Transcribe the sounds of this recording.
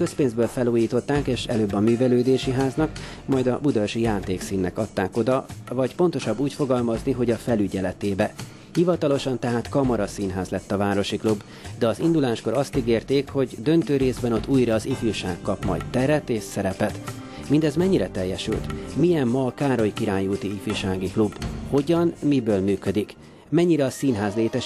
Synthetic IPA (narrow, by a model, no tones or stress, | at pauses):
køspeːnzbøːlfɛluːjiːt̪o̞t̪ːaːkeːʃɛ̰løːbːɒmyːvɛløːd̪eːʃiɦaːznɒk | mɒjd̪ɒbud̪øʃijaːt̪eːksiːnːɛkɒt̪ːaːko̞d̪ɒvɒcpo̞nt̪o̞ʃɒbːuːcfo̞ɡɒlmɒzniɦo̞ɟɒfɛlyɟɛlɛt̪eːbɛ | hivɒt̪ɒlo̞ʃɒnt̪ɛɦaːt̪kɒmɒɾɒsiːnɦaːzlɛt̪ːɒvaːɾo̞ʃiklubː | d̪ɛɒzind̪ulaːʃko̞ɾɒst̪iɡeːrt̪eːkho̞ɟd̪ø̞nt̪øːɾeːzbɛno̞t̪ːuːjɾɒːzifuʃaːkːɒpmɒ̰jt̪t̪ɛɾɛt̪eːʃsɛɾɛpɛt̪ | mind̪ɛzmɛɲːiɾɛt̪ɛjːɛʃy̰lt̪mijɛmːɒːkaːɾo̞jikiɾaːɲuːt̪iifyʃaːɡiklubho̞ɟɒnmibøːlmyːkød̪ik | mɛɲːiɾɛɒsiːnɦaːzleːt̪ɛʃ